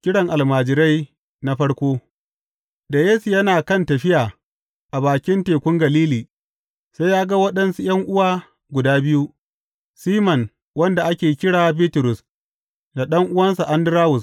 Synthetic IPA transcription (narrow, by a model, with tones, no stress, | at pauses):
kʲɪ˦ɽɐ˨ŋʔa˨lmaː˨d͡ʒɪ˨ɾa˦j | na˦ɸɐ˦ɽkʷoː˦ | da˨jeː˦su˨jɐ˦naː˨kɐ˦˨ntɐ˨ɸɪ˦jaː˨ | ʔa˨baː˨kʲɪ˦nteː˨kʷʊ˦ŋɡɐ˨liː˦liː˨ | sa˦jjaː˦ɡa˦wɐ˦ɗɐ˦nsu˦j̰ɐ˦ŋʔʊ˦waː˦ | ɡʷʊ˨daː˦bɪ˦ju˦ | siː˦mɐ˨n | wɐ˦nda˨ʔa˦kʲeː˨kʲɪ˦ɽaː˨˦biː˦tʊ˨ɾʊ˨s | da˨ɗɐ˦ŋʔʊ˦wɐ˦nsu˨ʔa˦ndɪ˦ɾaː˦wʊ˨s